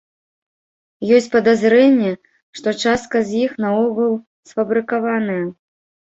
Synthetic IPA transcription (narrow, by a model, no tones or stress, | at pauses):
jɔsʲt͡sʲpɐd̪azɾɛnʲːɛ | ʂt̪ɔt͡ʂast̪̚kɐzʲjixnɐɔɣɐlˠ | sfɐbɾɨkavanɐjɐ